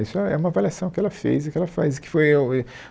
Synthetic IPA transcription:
isʊɛɛ̰ũmɐavaliasɐ̃w̃kɪɛlɐfḛjzɪkɪɛlɐfa̰jzɪkɪ̥foj

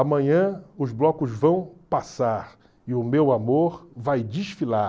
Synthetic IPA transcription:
amɐ̃ɲɐ̃ʊzblɔkʊzvɐ̃w̃pasaɾ | ɪʊmewamoɾvajd͡ʒiʃfila

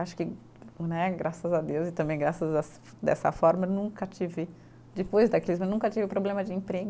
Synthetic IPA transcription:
aʃʊ̥kɪ | nɛɡɾʔasɐzɐd̪ewzɪt̪ɐ̃bẽj̃ɡɾasɐzas | d̪ɛ̰sɐ̰fɔɾmɐewnũŋkɐt͡ʃivɪ | d͡ʒɪpojzd̪ɐklizmɐenũkɐt͡ʃivɪpɾoblẽmɐd͡ʒɪẽpɾeɡʊ

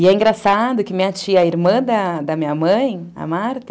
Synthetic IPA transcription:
ɪɛĩŋɡɾasad̪ʊkɪmĩɲɐt͡ʃiɐːiɾmɐ̃d̪ɐd̪ɐmĩɲɐmɐ̃j̃ɐ̰maɾt̪ɐ

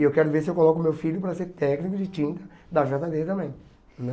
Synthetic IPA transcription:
ewkɛɾʊveɾsɪewkolɔkʊmewfiʎʊpɾɐseɾt̪ɛknikʊd͡ʒɪt͡ʃĩnt̪ɐd̪ɐʒat̪ɐd̪eɐt̪ɐ̃mbẽj̃

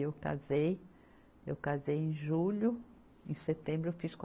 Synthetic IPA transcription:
ewka̰zej | ewkazejẽj̃ʒũʎʊ | ẽset̪ẽbɾʊewfisk

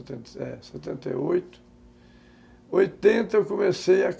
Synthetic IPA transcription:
t̪ẽnt̪ɛ̰sɛt̪ẽnt̪ḛojt̪ʊ̥ | ojt̪ẽnt̪ɐewkomesejɐk

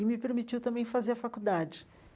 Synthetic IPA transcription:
ɪmɪpeɾmit͡ʃiwt̪ɐ̃mbẽj̃fazeɾɐfakud̪ad͡ʒɪ

